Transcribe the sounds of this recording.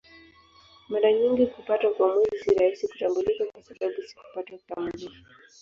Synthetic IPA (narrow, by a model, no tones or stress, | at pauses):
maɾaɲiŋɡikupatwakwamwɛziziɾahisiku̥tambulikakwasaɓaɓusi̥ku̥pataukamalifu̥